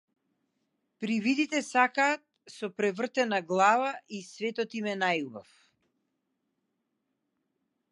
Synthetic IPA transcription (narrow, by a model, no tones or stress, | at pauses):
pɾivid̪it̪ɛsakaːt̪̚sɔpɾɛvr̩t̪ɛnaɡlˠavaʔisvɛt̪ɔt̪imɛnajuba̰f